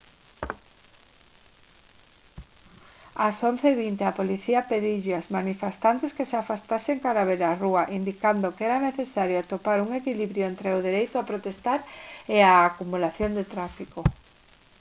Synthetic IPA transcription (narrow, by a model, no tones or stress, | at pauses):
asõnθeβint̪eapoliθiapeðiʎeazmanifest̪ant̪eskeseafast̪aseŋkaɾaβeɾaruaʔind̪ikand̪okɛɾaneθesaɾjoat̪opaɾuŋekiliβɾjoent̪ɾeoðeɾejt̪oʊapɾot̪est̪aɾeaːkumulaθjond̪et̪ɾafiko